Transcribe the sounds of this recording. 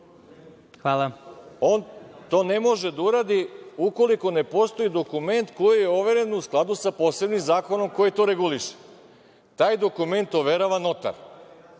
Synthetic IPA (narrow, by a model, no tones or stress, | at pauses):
xʋaːlˠaoːnt̪o̞ːne̞mo̞ʒe̞d̪auɾad̪iuko̞liko̞ne̞po̞st̪o̞id̪o̞kume̞nt̪kojijeoʋe̞ɾe̞nusklˠad̪usapo̞ːse̞bnimzaːko̞no̞mkojit̪o̞ɾeɡuliʃe̥ | t̪aːjd̪o̞kume̞nt̪oʋe̞ɾaʋano̞t̪a̰ɾ